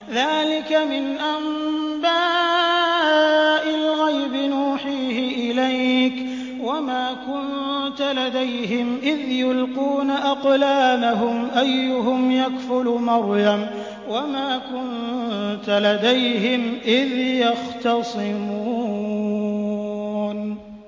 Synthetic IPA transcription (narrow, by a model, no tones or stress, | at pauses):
ðaːlɪkamɪnʔam | baː | ʔɪlɣajbɪnuːħiːhɪʔɪlajk | wamaːkʊn | t̪alad̪ajɦɪmʔɪðjʊlquːnaʔɑqlaːmaɦʊmʔajːʊɦʊmjakfʊlmɑɾˤjam | wamaːkʊnt̪alad̪ajɦɪmʔɪðjɑxt̪ɑsˤɨɪmuː | n